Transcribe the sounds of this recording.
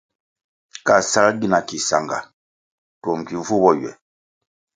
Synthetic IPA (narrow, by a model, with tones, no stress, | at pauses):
ka˦˨sa˦lɡi˦˨na˨ki˨sa̰˨ŋɡa̰˨ | tɔ˨ŋ̩˨ki˨˦vu˦bɔ˦jɥɛ̰˨